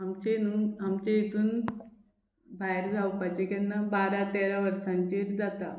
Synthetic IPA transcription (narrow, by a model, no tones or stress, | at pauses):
amt͡ɕenunamt͡ɕẽet̪uːn | bʱaeɾd͡zawpajt͡ɕekanːabaɾat̪eɾaʋəɾsãɲt͡ɕeɾd͡zat̪a